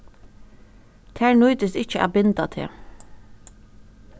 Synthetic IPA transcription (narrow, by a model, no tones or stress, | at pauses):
t̪ʰæːɹnʊːt̪əsɪt͡ʃəʔæ̰bɪnt̪at̪ʰḛː